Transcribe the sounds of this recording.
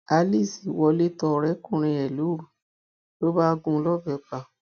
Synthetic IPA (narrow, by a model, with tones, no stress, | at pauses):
a˧li˦˨si˨wɔ˧le˦tɔ˧ɾɛ˦kũ˦˨ɾ̃ĩ˧ɛ˨lu˨˦ɾu˨ | to˦ba˦˧ɡũ˧˦lɔ˦˨bɛ˨˦k͡pa˧˨